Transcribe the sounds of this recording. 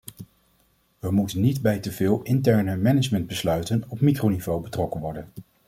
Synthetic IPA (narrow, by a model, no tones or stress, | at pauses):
ʋəmutənːidbɛjtəvɪːlˠɪntɛɹnəmɛnəd͡ʒmənd̚bəslœɥtənɔpmikrownivowbətrɔkənʋɔɹdən